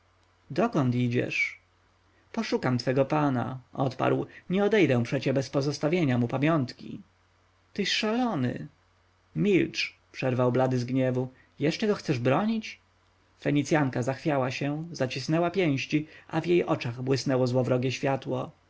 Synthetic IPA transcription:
d̪ɔkɔnt̪id͡ʑɛ̰ʂ | pɔʂukamt̪fɛɡɔpana̰ʔɔt̪pa̰ɾwɲɛɔd̪ɛjd̪ɛ̃w̃pʂɛt͡ɕɛbɛspɔzɔst̪avʲjeɲamupamʲjɔnt̪kʲḭ | t̪ɘʃʂalɔnɘ̰ | mʲilt͡ʂ | pʂɛɾvawblad̪ɘzɡɲɛvu | jɛʂt͡ʂɛɡɔxt̪sɛʐbɾɔɲit͡ɕ | fɛɲit̪sʲjaŋkazaxfʲjawaɕɛ̃zat͡ɕisnɛwapʲjɛ̃w̃ɕt͡ɕiʔa̰vjejʔɔt͡ʂaɣbwɘsnɛwɔzwɔvɾɔɡʲjɛɕfʲjat̪wɔ

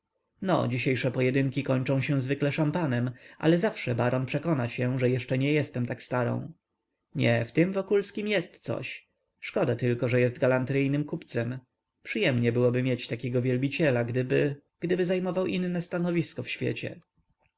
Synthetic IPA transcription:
nɔ̰d͡ʑiɕejʂɛpɔjɛd̪ɘŋkʲikɔɲt͡ʂɔ̃w̃ɕɛ̃zvɘklɛʂampanɛmʔa̰lɛzafʂɛbaɾɔnpʂɛkɔnaɕɛʐɛjɛʂt͡ʂɛɲɛjɛst̪ɛmt̪akst̪aɾɔ̰̃w̃ | ɲɛ̰ft̪ɘmvɔkulskʲimjɛst̪sɔ̰ɕ | ʂkɔd̪at̪ɘlkɔʐɛjɛsd̪̚ɡalant̪ɾɘjnɘmkupt̪sɛm | pʂɨjɛmɲɛbɘwɔbɘmʲjet͡ɕt̪akʲɛɡɔvʲjɛlbʲit͡ɕɛlaɡd̪ɘbɘ | ɡ̥d̪ɘbɘzajmɔvawʔinːɛst̪anɔvʲiskɔfɕfʲjɛ̰t͡ɕɛ̰

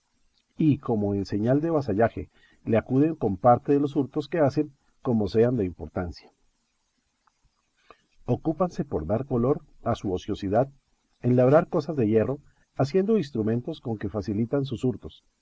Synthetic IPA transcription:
iko̞mo̞ense̞ɲald̪e̞βas̬aʝaxe̞̰ | le̞akuðe̞ŋko̞mpaɾt̪eðe̞lo̞s̬uɾt̪o̞ske̞ase̞ŋ | ko̞mo̞se̞and̪e̞impo̞ɾt̪ansjḁ | o̞kupanse̞po̞ɾðaɾko̞lo̞ɾasuosjo̞siðað | enlaβɾaɾko̞sazd̪e̞ʝe̞ro̞ | asje̞nd̪o̞ins̬t̪ɾumẽ̞nt̪o̞sko̞ŋke̞fasilit̪ans̬usuɾt̪o̞s

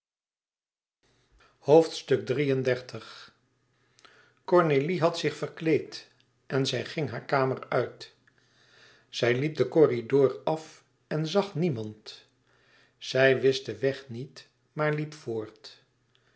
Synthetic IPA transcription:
howftstɵk̚drijəndɛɹtʰəχ | kɔɹneliɦɑtsɪχfərklejt | ʔɛnzɛjχɪŋɦaːɹkaːmərœɥt | z̥ɛjlip̚dəkɔridʊːrɑf | ɛnzɑχnimɑnt | z̥ɛjʋɪsdəʋɛχnit | maːɹlipfʊːɹt

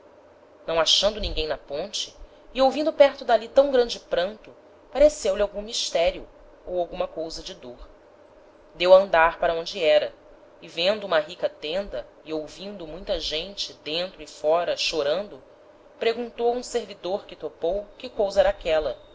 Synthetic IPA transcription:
nɐ̃w̃aʃɐ̃nd̪ʊnĩŋɡẽj̃nɐpõnt͡ʃɪ̥ː | owvĩnd̪ʊpɛɾt̪ʊd̪alit̪ɐ̃w̃ɡɾɐ̃nd͡ʒɪpɾɐ̃nt̪ʊ | paɾesewlʲɪawɡũmiʃt̪ɛɾijʊ | owawɡũmɐkowzɐd͡ʒɪd̪oɾ | d̪ewɐɐ̃nd̪aɾpaɾɐõd͡ʒɪɛɾɐ | ɪvẽnd̪ʊũmɐɦikɐt̪ẽnd̪ɐ | ɪowvĩnd̪ʊmũj̃t̪ɐʒẽnt͡ʃɪd̪ẽnt̪ɾʊɪfɔɾɐʃoɾɐ̃nd̪ʊ | pɾeɡũnt̪owũseɾvid̪oɾkɪt̪opowkɪkowzɐɛɾakɛlɐ

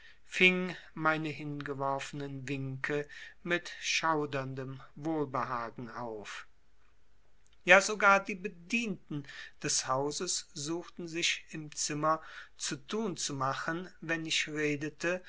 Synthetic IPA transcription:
fɪŋmaɪnəɦɪnɡəvɔɐfənənvɪŋkʰəmɪtʃaʊdɐndəmvoːlbəɦaːɡŋ̩ʔaʊf | jaːzoɡaːɐdiːbədiːntn̩d̥ɛshaʊzəsz̥uːxtn̩zɪçɪmt͡sɪmɐt͡sutuːnt͡sumaχənvɛnɪçʁeːdətʰə

